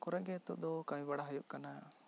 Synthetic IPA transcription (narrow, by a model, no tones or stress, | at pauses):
kɔɾɛɡɛt̪uʔd̪ɔkajĩbaɽaɦɔjuʔkana